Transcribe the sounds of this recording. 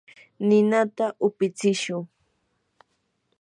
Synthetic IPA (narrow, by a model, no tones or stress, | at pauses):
nɪnat̪aʔʊpɪt͡sɪʃʊŋ